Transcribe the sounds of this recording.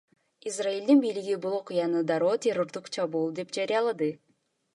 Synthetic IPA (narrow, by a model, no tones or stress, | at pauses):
izraeld̪inbijliɡibulˠo̞qujɑnɯd̪ɑɾoːt̪ʰʲeɾo̞ɾd̪uqt͡ʃʰɑβuːlˠd̪e̞pd͡ʒɑɾijɑlˠɑd̪ɯ